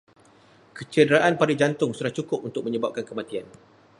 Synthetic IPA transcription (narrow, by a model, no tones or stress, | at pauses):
kət͡ʃədəɾaʔanpadid͡ʒant̪ʊŋsuɾaht͡ʃukʊp̚unt̪ʊk̚mə̃ɲəbap̚kankəmãt̪ian